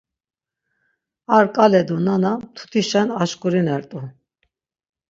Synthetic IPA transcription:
aɾkʼalɛd̪unanat̪ʰu̥t̪ʰiʃɛnaʃkʼuɾinɛɾt̪ʼu

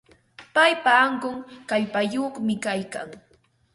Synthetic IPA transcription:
pajpaːɴɢoŋkaʎpajoχmɪkajka̰ŋ

